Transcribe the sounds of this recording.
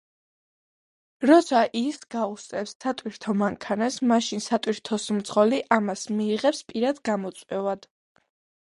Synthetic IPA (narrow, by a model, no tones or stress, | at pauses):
ɾɔt̪sʰaʔisɡaust̪sʼɛpsːat̪ʼwiɾt̪ʰɔmaŋkʰanasmaʃinsat̪ʼwiɾt̪ʰɔsmt̪sʁɔliʔamasmiːʁɛpspʼiɾad̪ɡamɔt̪sʼwɛvad̪̥